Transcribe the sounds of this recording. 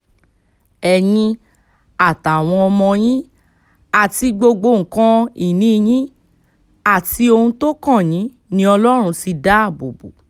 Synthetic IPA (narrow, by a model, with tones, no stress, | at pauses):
ɛ˨jĩ˧ | a˨ta˨w̃ɔ̃˧ɔ˧mɔ̃˧j̃ĩ˦ | a˨ti˧ɡ͡bo˧ɡ͡bo˧˨ŋ̩˨kã˦i˦˨nĩ˦˧j̃ĩ˦ | a˦˨ti˧o˧hũ˧to˦kã˦˨jĩ˨˦ | nĩ˦ɔ˧lɔ˦ɾ̃ũ˧si˧da˦a˦˨bo̰˨bo̰˨